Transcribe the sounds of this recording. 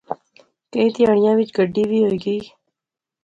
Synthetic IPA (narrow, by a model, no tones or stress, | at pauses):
kəĩːt̪ɪjaːɳ̃ɪjãːʋɪt͡ʃɡəɖːiːʋiːɦoːiːɡiː